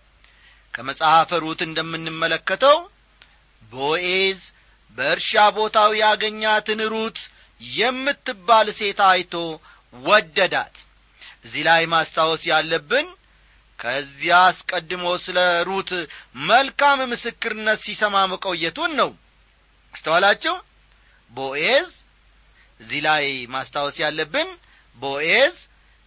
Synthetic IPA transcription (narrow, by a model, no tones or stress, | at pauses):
kʰəməsʼahafəɾut̪ɨnd̪əmːɨnːɨmːələkːət̪ʰəw | boʔez | bəɨɾʃabo̞t̪ʰawijaɡəɲːat̪ɨnhɨɾut̪ʼ | jɛmːɨt̪ːɨbːalse̞t̪ajt̪ʰo̞ | wɔd̪ːəd̪a̰t̪ | ʔɨzːilajmast̪ʰawɔsjalːəbːɨn | kʰəzːiaskʼəd̪ːɨməwsɨləɾut̪məlkammɨsɨkːɨɾɨnːət̪sisəmaməkʼo̞jɛt̪ʰunːəw | ɨst̪ʰəwalat͡ʃːɛw | boʔez | ʔɨzːilajmast̪ʰawɔsjalːəbːɨn | boʔez